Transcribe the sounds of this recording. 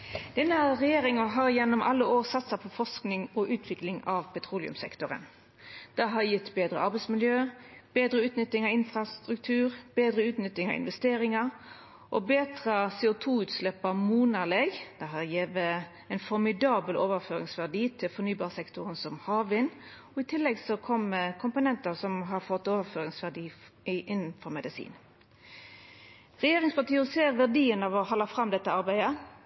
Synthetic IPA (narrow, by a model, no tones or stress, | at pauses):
d̪̥ɛnəəʁɛjeːʁɪŋɑɦɑʁɪjɛnːɔmʔɑ̰lːəoːʁsɑt̪sɑpʰɔfɔʁsknɪŋɔʔʉːt̪ʰʋɪklɪŋɑʋpʰɛt̪ʰʁuːlɪ̰ʉ̰msɛ̰kt̪ʊʁə̰n | d̪̥ɛɦɑʁjɪt̪ːbeːd̪ʁəɑʁbɛɪsmɪljøːb̥eːd̪ʁəʉːt̪nʏt̪ːɪŋɑʋɪnfʁɑst̪ʁʉkt̪ʰʉːʁb̥eːd̪ʁəʉːt̪nʏt̪ːɪŋɑ̰ʋɪ̰nʋɛst̪eːɾɪŋɑ | ʔɔbeːd̪ʁɑseːʊt̪ʰuːʉːt̪slɛpəmuːnɑleɡd̪̥ɛɦɑjeːʋə | ɛɪnfɔɾmɪd̪ɑːbəloːʋəføːʁɪ̰ŋsʋæʁd̪iːt̪ʰɪlfɔɾnyːbɑːʁsɛkt̪ʊʁənsɔmhɑːʋɪn | ɔɪt̪ʰɪlːɛɡsɔkʰɔmːəkʰʊmpʊnɛnt̪əsɔmɦɑʁfɔt̪ːoːʋəføːɾɪŋsʋæʁd̪iː | ʔɪnːnfɔɾmɛd̪ɪsḭːn | ʁɛjeːʁɪŋspɑt̪iːɔseːʁʋæʁd̪iːənɑʋɔhɑlːɑfʁɑmd̪ɛt̪ːəɑʁbæɪd̪ə